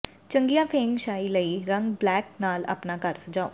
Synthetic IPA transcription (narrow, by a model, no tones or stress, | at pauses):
t͡ʃəŋɡijãːpʰẽːŋʃaːiːləiːɾəŋɡblɛːk̚naːlə̰pnaːkəɾsəkd͡ʒaːo̰ː